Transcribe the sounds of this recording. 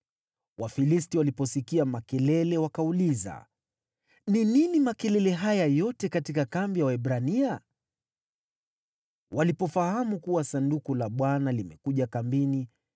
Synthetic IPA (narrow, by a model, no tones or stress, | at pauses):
wʔafilistiwalipɔsikiamakɛlɛlɛwakauliza̰ | nininimakɛlɛlɛɦajajɔtɛkatikakambijawɛbɾania | wʔalipɔfahamukuwasandukulaɓwanalimɛkuʄakambini